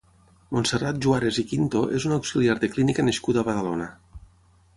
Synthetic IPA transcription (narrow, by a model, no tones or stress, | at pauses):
monserat̪̚ʒuaɾezikint̪oʔezunawksiliaɾðeklinikaneskuðaβaðalona